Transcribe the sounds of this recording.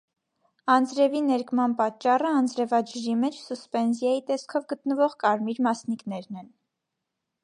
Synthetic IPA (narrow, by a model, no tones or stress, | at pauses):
ɑnd͡zɾɛvinɛɾkmɑnpɑt͡ʃːɑrəɑnd͡zɾɛvɑd͡ʒəʒimɛt͡ʃʰsuspɛnzjɑjit̪ɛskʰɔvɡət̪nəvɔʁkɑɾmiɾmɑsnikn̪ɛɾnɛn